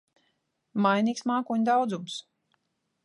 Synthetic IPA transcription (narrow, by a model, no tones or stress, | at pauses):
majniːksmaːkuɲd̪awd̪zums